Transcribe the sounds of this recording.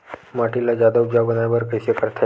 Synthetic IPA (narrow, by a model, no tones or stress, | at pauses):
maʈilad͡ʑjad̪aud͡ʒabənajbəɾkəjsekəɾt̪ʰa